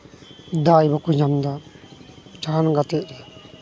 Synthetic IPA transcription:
d̪ajbɔkujɲamd̪a | d͡ʒanɡat̪ɛʔ̚ɾɛja

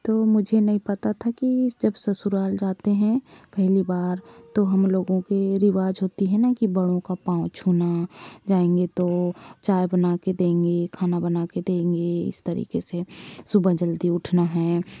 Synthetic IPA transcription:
t̪oːmʊd͡ʒʱenɐɦĩpɐt̪at̪ʰakid͡ʒɐbsɐsʊɾaːld͡ʒaːt̪eɦɛ̃pɛɦlibaːɾt̪oɦɐmloːɡõkeɾɪʋaːd͡ʒɦoːt̪iɦɛ̃nakibɐɽõkapãːʊ̃t͡ʃʰuːnad͡ʒaːẽːŋɡet̪ot͡ʃaːjbɐnaːked̪ẽːŋɡekʰaːnabɐnaːked̪ẽːŋɡeɪ̰st̪ɐɾḭːkesesʊbəd͡ʒəld̪iʊʈʰnaɦɛː

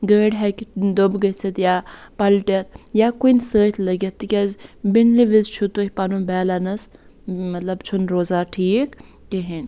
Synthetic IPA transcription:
ɡəːɖɦɛkʲd̪obɡət͡sit̪jaːpɐlʈɐt̪jaːkunsəːt͡ʃlɐɡet̪ːikʲɐzbinliʋizt͡ʃʰut̪uhʲpɐnubɛːlanɐs | mɐt̪lɐbt͡ʃʰunɾoːzaːʈʰiːkkeɦin

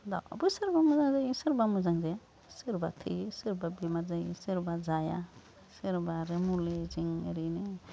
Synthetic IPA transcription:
d̪a̰a̰busiɾbamuzaŋzajsiɾbamuzaŋd͡ʒaja | siɾbat̪ʰɯsiɾbabimazajsiɾbad͡ʒaja̰ | sɯɾbaɾemuled͡ʒiŋḛɾine

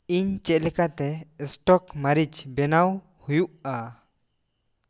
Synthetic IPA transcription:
iɲt͡ʃɛt̪̚ˀlɛkat̪ɛsʈɔkmaɾid͡ʒbɛnaw | hujuʔa

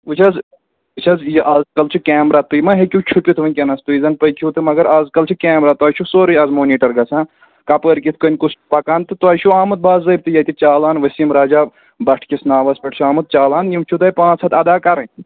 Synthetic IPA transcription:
ut͡ʃʰɐz | ɨt͡ʃʰɐzjiʔaːzkɐlt͡ʃʰukʲɛːmɾat̪ujmɐɦekʲut͡ʃʰupʲit̪ʰʋɐnʲkʲɐnɐst̪uizɐnpɐjkʰut̪ɨmɐɡɐɾaːzkɐlt͡ʃʰukʲɛːmɾaːt̪uɐːt͡ʃʰusoːɾɨjɐzmoːnʲiːʈɐɾɡɐsʰãː | kɐpəːɾkʲit̪ʰkɐnʲkuspɐkaːnt̪ɨt̪uaːʃʰuaːmɨt̪̚baːzzɐbʲt̪ɨjɐt̪ʲit͡ʃaːlaːnʋɐsiːmɾaːd͡ʒaː | bɐʈʰkʲisnaːʋɐspʲɐʈʰt͡ʃʰuaːmɐt̪̚t͡ʃaːlaːnjimt͡ʃʰut̪ɐːjpãːt͡sʰɐt̪ɐd̪aːkɐɾɐnʲ

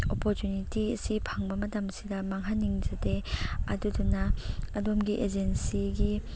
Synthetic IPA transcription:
opoɾtunitiɐsipʰaŋbɐmɐtamsidɐmaŋɦaniŋd͡ʒɐdeɐ̰dudunɐɐdomɡiʔed͡ʒensiɡi

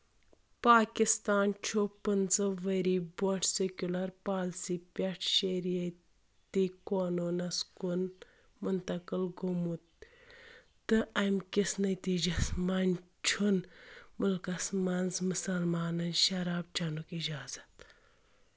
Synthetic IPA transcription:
paːkist̪aːnt͡ʃʰopɨnzɐʋɐɾiːboɳʈsekʲulɐɾpaːlsipʲɐʈʰʃeɾijɐ | t̪ikoːnonɐskun | munt̪ɐkɨlɡomut̪ | ɨɐmkisnɐt̪iːd͡ʒɐsmɐn | t͡ʃʰunmɨlkɐsmɐnzmɨsɐlmaːnɐnʃɐɾaːb̚t͡ʃʰɐnukid͡ʒaːzɐt̪

